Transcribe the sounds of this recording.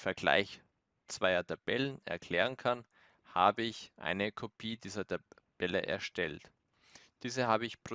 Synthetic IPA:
fɛɐɡ̥la̰ɪç | t͡sv̥aɪɐtʰab̥ɛlənɛ̰ɐkʰl̥ɛːʁ̞ənkʰan | ha̰ːbəɪçʔa̰ɪnəkʰopʰiːdiːzɐtʰa | b̥ɛlə̰ʔɛ̰ɐʃtɛlt | d̥iːzəɦaːbəɪçpʁ̥o

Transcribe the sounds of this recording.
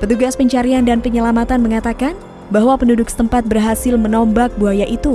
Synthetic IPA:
pət̪uɡaspəɲt͡ʃaɾiandanpəɲəlamat̪anməŋat̪akan | baɦwapənudʊksə̥t̪əmpat̪̚bərɦasɪlmənɔmbak̚buajaʔit̪u

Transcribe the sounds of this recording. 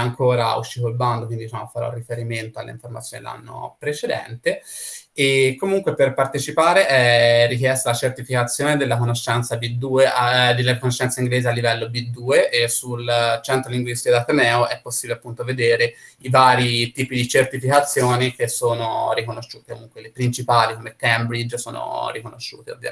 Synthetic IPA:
aŋkoːɾa̰ṵʃːit̪oilband̪okwind̪id̪it͡ʃaːmoafaɾɔ̰rːifeɾiment̪oalːḛḭɱfoɾmat̪sjoːnid̪ḛlːa̰nːo̰pɾet͡ʃed̪ɛ̰nt̪eː | kːomuŋkweperpart̪et͡ʃipaːɾeʔɛrːikjɛst̪alat͡ʃert̪ifikat̪sːjoːned̪elːakonoʃːɛnt̪sabid̪uːeʔad̪elːakonoʃːɛnsaiŋɡleːzealːivɛlːobid̪ːuːeʔsult͡ʃɛnt̪ɾoliŋɡwist̪ikod̪at̪enɛːoʔɛpːosːiːbileapːunt̪oved̪eːɾeivaːɾit̪iːpid̪it͡ʃert̪ifikat̪sːjoːnik̟esːoːno̰rikonoʃːuːt̪ekomuŋkwelepɾint͡ʃipaːlikomekɛmbɾid͡ʒso̰ːno̰ɾikono̰ʃːṵːt̪eo̰vja̰

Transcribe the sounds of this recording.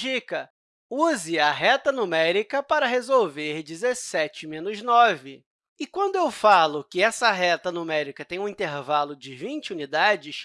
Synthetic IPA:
ʒikɐ | uzɪɐɦɛt̪ɐnumɛɾikɐpaɾɐɦezowveɾd͡ʒizesɛt͡ʃɪmẽnʊznɔvɪ | ɪkwɐ̃nd̪ʊewfalʊkɪɛsɐɦɛt̪ɐnumɛɾikɐt̪ẽj̃ũĩnt̪eɾvalʊd͡ʒɪvĩt͡ʃɪunid̪ad͡ʒɪʃ

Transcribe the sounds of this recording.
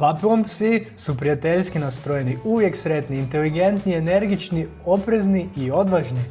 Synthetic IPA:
papiompsisupɾijat̪eʎʲskinast̪ɾojeniuʋje̞ksɾe̞t̪niːnt̪eliɡent̪niene̞ɾɡit͡ʃni | o̞pɾezniio̞d̪ʋaʒni

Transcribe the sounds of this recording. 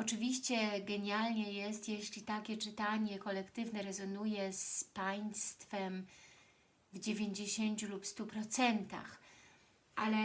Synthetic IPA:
ɔt͡ʂɘvʲiɕt͡ɕɛɡɛɲalɲɛjɛst̪jɛɕlʲit̪akʲɛt͡ʂɘt̪aɲɛkɔlɛkt̪ɘvnɛɾɛzɔnujɛspaj̃st̪fɛm | vd͡ʑevʲjeɲd͡ʑeɕeɲt͡ɕulupst̪upɾɔt̪sɛnt̪a̰x | ʔalɛ

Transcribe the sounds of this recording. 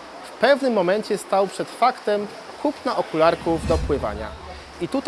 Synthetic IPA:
fpɛvnɘmːɔmɛɲt͡ɕɛst̪awpʂɛt̪fakt̪ɛm | kʰupnaʔɔkulaɾkuvd̪ɔpwɘva̰ɲa̰ | it̪ut̪

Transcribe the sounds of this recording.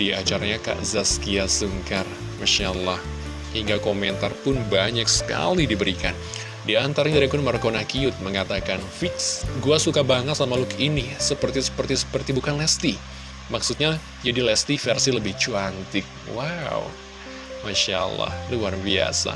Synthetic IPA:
diat͡ʃaɾaɲaka̰ʔzaskiasəŋkar | maʃalah | hiŋɡakoment̪arpʊnbaɲaksə̥ka̰lidibəɾika̰n | diant̪aɾɲadaɾikʊnmərkonahkiʊt̪̚məŋat̪akanfit̪sɡuasukabaŋət̪samalʊkinisəpərt̪isə̥pərisə̥pərt̪ibukanlɛst̪i | maksut̪̚ɲa | d͡ʒadilɛst̪ifɛrsiləbɪht͡ʃuant̪ɪk̚waw | maʃa̰lːa̰hluarbia̰sa̰

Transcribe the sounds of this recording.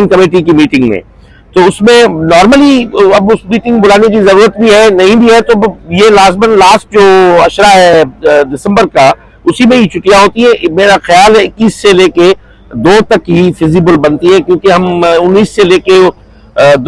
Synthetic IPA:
ŋkɐmeːʈ̬ik̬imiːʈɪ̃ŋɡmḛ̃ː | t̪oʊsmẽnɔːɾməliɐbʊsmiːʈɪ̃ŋɡbʊlaːnek̬izɐɾuːɾət̪̚bʱiɦɛnɐɦĩbʱiɦɛt̪objelaːzmənlaːsʈ̚d͡ʒoːɐʃɾaɦɛɖɪsə̃mbəɾka | ʊsimẽɦit͡ʃʰʊkijaɦoːt̪iɦɛ̃meːɾaxɐjaːlɦɛɪkːiːsːeleːke | d̪oːt̪ɐkɦifɪzibəlbɐnt̪iɦɛ̃kjõːkeɦɐmʊnːiːsːeleːke | d̪

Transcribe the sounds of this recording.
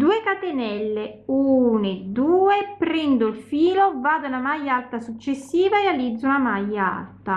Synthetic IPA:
d̪uːekat̪enɛlːeuːned̪uːepɾɛnd̪oilfiːlovaːd̪aunamajːaalt̪asut͡ʃːesːiːvaealid̪zːuunamajːaa̰lt̪a

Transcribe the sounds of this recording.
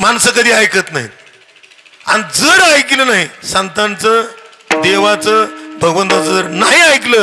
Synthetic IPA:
mansəkəd̪ʱiːajkət̪naɦḭ | a̰ñid͡zəɾajk̬ilənaɦisənt̪ant͡səː | d̪eʋat͡səbʱəɡʋənt̪at͡səd͡zəɾnaɦiajklə

